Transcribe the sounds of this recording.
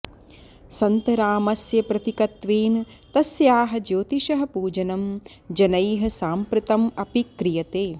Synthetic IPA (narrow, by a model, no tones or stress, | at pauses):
sɐnt̪ɐɾaːmɐsjɐpɾɐt̪ikɐt̪ʋeːn | t̪ɐsjaːɦɐd͡ʒoːt̪iʃɐɦɐ̆puːd͡ʒɐnɐm | d͡ʒɐnɐjɦɐ̆saːmpɾɐt̪ɐmɐpikɾijɐt̪eː